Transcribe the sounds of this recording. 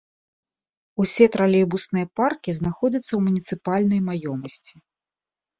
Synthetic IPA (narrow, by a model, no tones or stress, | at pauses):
usʲɛt̪ɾalʲɛbusnɨjɐparkʲiznaxɔd͡zʲɐt̪sːɐwmunʲit̪sɨpalʲnɐjmajɔmɐsʲt͡sʲi̥